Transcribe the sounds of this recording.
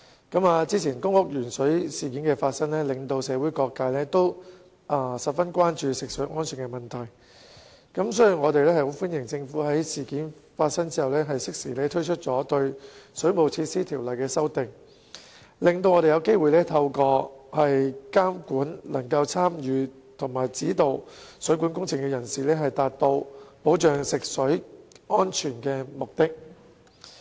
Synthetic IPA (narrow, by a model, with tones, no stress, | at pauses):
kɐ˨˥maː˧t͡siː˥t͡sʰiː˨˩nkʊ˥ŋʊ˥k̚jyː˨˩nsɵ˨˥ɥsiː˨˩kiː˨˥nkɛː˧faː˧t̚sɐ˥ŋlɛː˥lɪ˨˩ŋt̪o˧wsɛː˨˥wuː˨˥jkɔː˧kːaː˧jlɛː˥t̪o˥w | ʔɐ˧˩sɐ˨t̚fɐ˥nkʷaː˥nt͡ʃyː˧sɪ˨k̚sɵ˨˥ŋɔː˥nsɵ˨ŋkɛː˧mɐ˨˩nt̪ʰɐ˨˩j | kɐ˨˦˥msɔː˥ji˨˩ŋɔː˨˧t̪e˨jlɛː˥hɐ˨jho˨˥wfu˥njɪ˨˩ŋt͡sɪ˧ŋfuː˨˥ɦɐ˨˥jsiː˨kiː˨˥nfaː˧tsɐ˥ŋt͡siː˥hɐ˨˩wlɛː˥ɦɐ˨jsɪ˥k̚siː˨˩lɛː˥t̪ʰɵ˥ɥt͡ʃʰɵ˥t̚t͡sɔː˨˥t̪ɵ˧ɥsɵ˨˥ɥmo˨wt͡sʰiː˧t̚siː˥t̪ʰiː˨˩wlɐ˨jkɛː˧sɐ˥wt̪ɪ˨ŋ | lɪ˨ŋt̪̬o˧wŋɔ˨˧e˨jɐ˨˧wke˥jwuː˨jlɛː˥t̪ʰɐ˧wkɔː˧hɐ˨jkaː˥mkuː˨˥nlɐ˨˩ŋkɐ˧wt͡sʰaː˥mjyː˨ | t̪ʰʊ˨˩ŋmaː˨˩jt͡siː˨˥t̪o˨˧wsɵ˨˥ɥkuː˨˥nkʊ˥ŋt͡sʰɪ˨˩ŋkɛː˧jɐ˨˩nsiː˨lɛː˥ɦɐ˨jt̪aː˨t̚t̪o˧wpo˨˥wt͡ʃœː˨ŋsɪ˨k̚sɵ˨˥ɥɔː˥nt͡ʃʰyː˨˩nkɛː˧mʊ˨k̚t̪ɪ˥k̚